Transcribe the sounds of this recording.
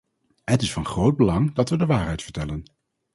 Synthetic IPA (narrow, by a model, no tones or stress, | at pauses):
ɦətɪsfɑnχrowd̚bəlɑŋdɑtʋədəʋaːɹɦɛjtfə̥ɹtɛlən